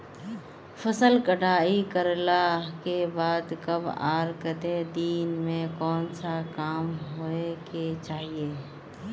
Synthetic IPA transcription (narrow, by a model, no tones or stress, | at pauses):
fəsəlkəɽaːikəɾlakebaːd̪kəbaːɾkəd̪ed̪iːnmẽkɔːnsakaːmɦoeket͡ʃaːɦieː